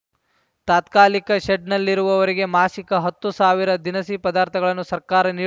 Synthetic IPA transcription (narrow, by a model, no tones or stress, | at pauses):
t̪aːt̪kaːlikɐʃeɖnɐlːiɾuʋɐʋɐɾiɡe̞maːʃikɐɦɐt̪ːusaːʋiɾɐd̪inɐsipɐd̪aːɾt̪ʰɐɡɐɭɐnːusɐɾkaːɾɐniː